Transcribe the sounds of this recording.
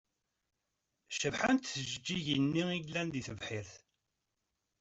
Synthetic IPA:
ʃəvħant̪θəʒəd͡ʒːiʝənːiiʝlænðiθəvħiɾθ

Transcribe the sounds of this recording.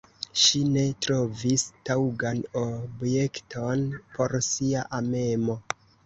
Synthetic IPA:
ʃine̞tɾo̞vistawɡanobje̞ktʰo̞npʰo̞ɾsiaʔame̞mo̞

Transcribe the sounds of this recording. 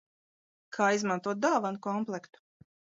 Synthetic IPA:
kʰaːizmãnt̪uɔt̪̚d̪aːvankɔmplˠɛkt̪u̥

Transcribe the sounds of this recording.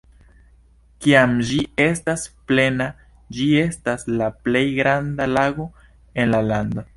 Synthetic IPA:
kiamd͡ʒie̞stasple̞na | d͡ʒie̞staslaple̞jɡɾandalaɡo̞ | e̞nlalando̞

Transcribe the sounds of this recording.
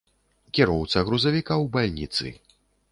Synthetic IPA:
kʲiɾɔwt̪sɐɣɾuzavʲikawbalʲnʲḭt̪sɨ̰

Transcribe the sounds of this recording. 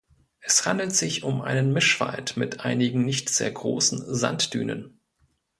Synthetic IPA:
ʔɛshandl̩tz̥ɪçʊmʔa̰ɪnənmɪʃv̥a̰ltmɪtʔaɪnɪɡŋ̩nɪçtz̥ḛːɐɡʁoːsn̩za̰ntd̥yːnə̰n

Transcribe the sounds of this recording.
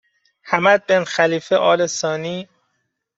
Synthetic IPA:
hæmæd̪̚benxæliːfeʔɒːlesɒːniː

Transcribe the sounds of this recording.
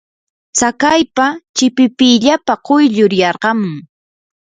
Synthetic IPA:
sakajpat͡ʃɪpɪpɪjʎapaqojʎʊɾjɑɾɢɑmʊŋ

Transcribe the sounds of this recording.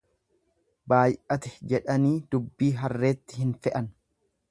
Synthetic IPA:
baːjʔɐt̪ɛ̥d͡ʒɛᶑɐniːd̪ʊbːiːɦɐrːe̞ːt̪ːɪhɪnfɛʔɐn

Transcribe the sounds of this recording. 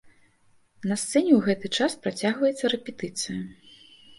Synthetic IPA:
nɐst̪sɛnʲɛwɣɛt̪ɨt͡ʂaspɾat͡sʲaɣvɐjɛt̪sːɐɾɛpʲɛt̪ɨt̪sɨjɐ

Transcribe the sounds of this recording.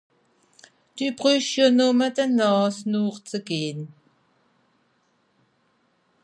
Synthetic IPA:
t̪ypʁyʃjonuːmat̪anɑːsnuːqt͡səkiːn

